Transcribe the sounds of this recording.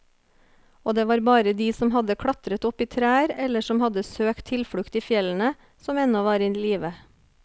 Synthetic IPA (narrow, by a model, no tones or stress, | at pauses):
oːd̪eːʋɑːɾbɑːɾəd̪iːsɔmɦɑd̪əkʰɽɑt̪ɾət̪ɔpiːt̪ʰɾæːəɾɛləʃɔmhɑd̪əsøːkt̪ʰɪlfɽʉkt̪iːfjɛln̩ə | sɔmɛnɔʋɑːɾɪnːliːʋə